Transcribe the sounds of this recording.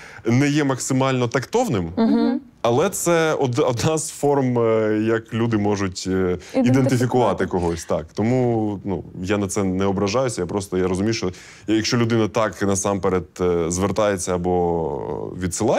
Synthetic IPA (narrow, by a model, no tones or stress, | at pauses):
nɛjɛmɐksɪmɑlʲnɔt̪ɐkt̪ɔwnɪm | ɐlˠɛt̪sɛɔd̪ɔd̪nɑz̥fɔrmjɐklʲud̪ɪmɔʒʊtʲid̪ent̪ɪfʲikʊʋɑt̪ɪkɔɦɔsʲt̪ɑkt̪ɔmunṵjanɐt̪sɛnɛɔbɾɐʒɑjʊsʲɐjapɾɔst̪ɔjaɾɔzʊmʲijʃt͡ʃɔ | jjɐkʃt͡ʃɔlʲʊd̪ɪnɐt̪ɑknɐsɑmpeɾet̪zʋert̪ɑjet͡sʲːɐɐbɔ | ʋʲid̪sɪlˠɑ